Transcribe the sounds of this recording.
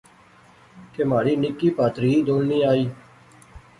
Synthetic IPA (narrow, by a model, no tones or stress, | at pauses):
kemaːɾiːnɪkːiːpaːt̪ɾiːd̪oːlniːaːiː